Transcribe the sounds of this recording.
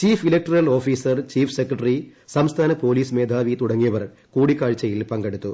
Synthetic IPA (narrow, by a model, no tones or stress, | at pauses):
t͡ɕiːfilɐk̚ʈɐrɐlo̞ːfiːsɐrt͡ɕiːfsekrɐʈrisɐmst̪ʰaːnɐpo̞ːliːsmeːd̪ʱaːʋit̪uɽɐŋːijɐʋɐr | kuːɽikːaːɭt͡ɕːɐjilpɐŋɡeɽut̪ːu